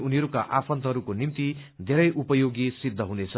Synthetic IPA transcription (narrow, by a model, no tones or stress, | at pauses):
uniɦʌɾukaʔapʰʌnt̪ʌɦʌɾukonimt̪i | d̪ʱeɾʌjʔupʌjoɡisid̪ʱːʌɦunet͡sʰʌ